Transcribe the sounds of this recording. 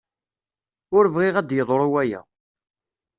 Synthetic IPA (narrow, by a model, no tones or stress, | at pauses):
ʊɾvʁiʁæd̪jəðˤɾˤuwæjæ̰